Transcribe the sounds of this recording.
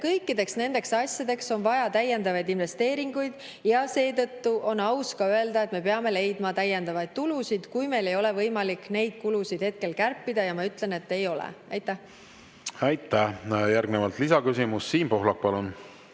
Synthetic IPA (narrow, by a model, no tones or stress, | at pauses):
kɤjkːˑid̪e̞ksne̞nd̪̥e̞ksɑsʲjɑd̪e̞kso̞nvɑjɑt̪æjːe̞nd̪ɑvɑjd̪inve̞st̪e̞ːɾiŋɡujd̪̥ | jɑse̞ːt̪ɤt̪ːuʔo̞nɑwskɑøe̞ld̪̥ɑe̞t̪me̞pe̞ɑme̞le̞jd̪mɑt̪æjːend̪ɑvɑjd̪̥̚t̪ulusid̪̥kujme̞jle̞jo̞le̞vɤjmɑlikːˑne̞jd̪̥̚kulusid̪̥he̞t̪̚ke̞lkærpːid̪̥ɑjɑmɑyt̪ˑle̞ne̞t̪ːe̞jo̞lḛʔɑjt̪ːˑæh | ɑjt̪ːˑæhjæɾɡnevɑlt̪lisɑkysimusːiːnpo̞ɦlɑk̚pɑlun